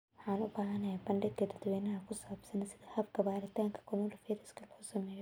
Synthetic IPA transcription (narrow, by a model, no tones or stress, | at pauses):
wħaːnʊbaːɦɐnɐhɐbɐɳɖɪd̪̚kʰɐd̪ɐɾd̪wɛːnɐɦɐkʰʊsɐbsɐnɐsɪðɐhɐbkʰɐbaːɾɪt̪ʰaːŋkʰɐ̥kʰɔmɔlɐfɛːɾɐskʰɐlɐhʊsɐmɛːjɔ